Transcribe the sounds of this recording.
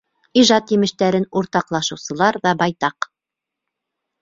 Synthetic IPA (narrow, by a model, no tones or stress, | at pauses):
iʒɑt̪jɘ̆mɘ̆ʃt̪æɾɘnuɾt̪ɑqlˠɑʃɤ̆wsɤ̆lˠɑɾðɑbɑjt̪ɑq